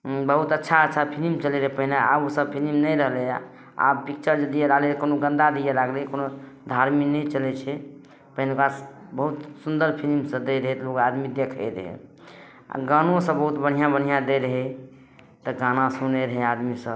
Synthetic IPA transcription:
bəɦut̪ətːʃʰaətːt͡ʃʰapʰilimt͡ʃəleɾəɦɛpəɦinea̰bosəb̚pʰilimnəjɾəɦleja̰ | a̰bpik̚t͡ʃəɾd͡ʒəd̪ijeɾaɦlekonoɡə̃nd̪ad̪ijeɾaɡlɛkono | d̪ʱaɾminɛt͡ʃəlɛt͡ʃʰɛ | pəɦinekasbəɦut̪sund̪əɾpʰilimsə̃d̪ɛɾəɦɛt̪lokad̪mid̪ekʰɛ̰ɾə̰ɦɛ̰ | a̰ɡanõsə̃bəɦut̪bəɽ̤ijãbən̤ijãd̪ejɾəɦɛ | t̪ɔɡanasuneɾəɦead̪misəb

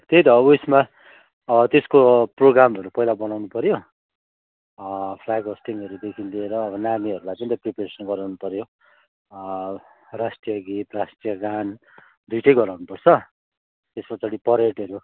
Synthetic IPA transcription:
t̪ejd̪ʌusma | ʌbʌt̪eskoproɡɾamʌɾupʌɦilabʌnawnupʌɾjo | pʰlaɡɦosʈiŋʌɾud̪ekʰind̪ieɾʌːbʌnamiʌɾulajpʌnit̪ʌpripeɾesʌnɡʌɾawnupʌɾjo | rasʈijʌɡit̪rasʈijʌɡan | d̪ujʈʰʌjɡʌɾawnupʌrt͡sʰʌ | t̪espʌt͡saɽipʌɾeʈʌɾu

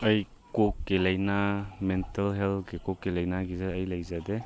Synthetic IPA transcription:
ɐj | kokːelajnamentelɦelkekɔkːelɐjnaɡizaəjlajzade

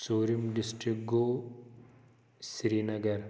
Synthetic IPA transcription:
suːɾimɖɪsʈɾɪk̚ɡoː | sɾiːnɐɡɐɾ

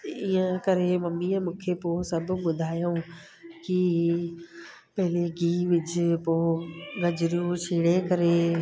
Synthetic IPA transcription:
iə̃kɐɾemɐmːiə̃mũːkʰepoːsɐbʱʊ̆ɓʊd̪ʱaːjõ | ki | pɐɦɪleɡiːʋɪd͡ʑʊ̆poːɡɐd͡ʑɾjũt͡ɕʰiːɽekɐɾe

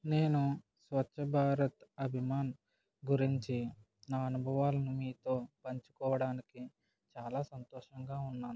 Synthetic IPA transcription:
ne̞ːnu | sʋɐt͡ʃːʃʰɐbʱaːɾɐt̪ɐbʱimaːn | ɡuɾiɲt͡ʃi | naːɐnubʱɐʋaːlɐnumiːt̪o̞ːpɐɲt͡ʃu̥kɔːʋɐɽaːniki | t͡ʃaːlaːsɐnt̪ɔːʂɐŋɡaːunːaːnu

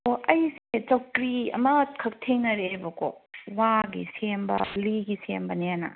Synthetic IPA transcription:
oɐjset͡ʃɐwkɾiɐ̰mɐkʰɐk̚tʰeŋnɐɾebɐko̰waɡisembɐ̰liɡisḛmbɐneanɐ̰

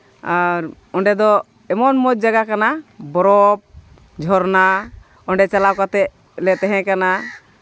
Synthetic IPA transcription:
aɾ | ɔɳɖɛd̪ɔ | ɛmɔnmɔd͡ʒ̚d͡ʒaɡakanabɔɾɔp̚ | d͡ʒʱɔɾna | ɔɳɖɛt͡ʃalakat̪ɛ | lɛt̪ɛɦɛ̃kana

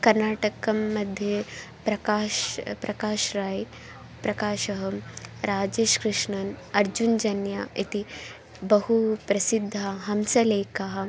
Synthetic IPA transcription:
kɐɾnaːʈɐkɐmːɐd̪ʱje | pɾɐkaːʃpɾʔɐkaːʃɾaːj | pɾɐkaːʃɐɦɐɾaːd͡ʒeːʃkɾɪʂɳɐnɐɾd͡ʒund͡ʒɐnjait̪i | bɐɦupɾɐsid̪ʱːaɦɐmsɐleːkaɦɐ

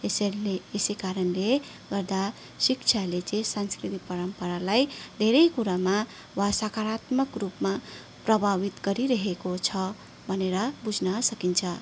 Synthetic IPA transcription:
esleesekaɾʌnle | ɡʌɾd̪a | sikt͡ʃʰalet͡sẽsanskɾit̪ipʌɾʌmpʌɾalajd̪ʱeɾʌjkuɾama | wasakaɾat̪mʌkrupma | prʌbʱaβit̪ɡʌɾiɾʌɦekot͡sʰʌ | bʱʌneɾʌbud͡zʱnʌsʌkint͡sʰʌ

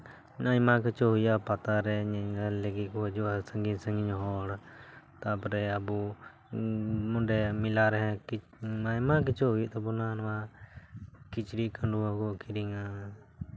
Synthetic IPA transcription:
ajmakɛt͡ʃɔɦujapat̪aɾɛɲɛɲleɡit̪̚kɔad͡ʒɔasəŋɡisəŋɡiɲɔɦɔɽt̪apɔɾɛabu | mɔɖɛmilaɾɛɦɛ̃ki | ajmak̬ɛt͡ʃɔɦujiʔt̪ɔbɔnanɔwa | kit͡ʃɽiʔkaɳɖuakɔkʰiɾiŋa

